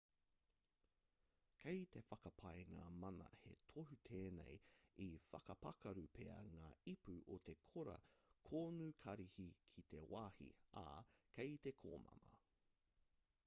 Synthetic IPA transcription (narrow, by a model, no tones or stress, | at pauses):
kʰejt̪e̞fɐkɐpʰajŋaːmɐnɐ̰he̞̰t̪ʰohut̪ʰeːnḛjifɐkɐpɐkɐɾupʰeɐ̰ŋaːipʉʔot̪ʰe̞kʰoɾɐ̰kʰoːnuːkʰɐɾihikʰit̪e̞waːhḭa̰kʰejt̪e̞kʰo̰ːmɐ̰mɐ